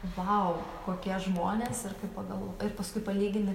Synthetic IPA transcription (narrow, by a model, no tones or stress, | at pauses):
ʋɐʊkoːkʲiɛʒmoːnʲeːsɪrkɐɪppɐɡɐlˠʋoɪɾpɐskʊɪpɐlʲiːɡʲɪnʲɪ